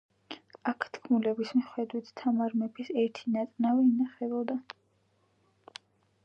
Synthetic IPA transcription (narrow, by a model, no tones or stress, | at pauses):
akʰt̪ʰkʰmulɛbismiχwɛd̪wit̪ʰt̪ʰːamaɾmɛbisɛɾt̪ʰinat̪ʼnavɛinaχɛbɔd̪a